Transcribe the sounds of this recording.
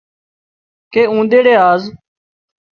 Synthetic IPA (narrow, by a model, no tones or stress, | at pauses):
keːũːnd̪eːɽeːaːz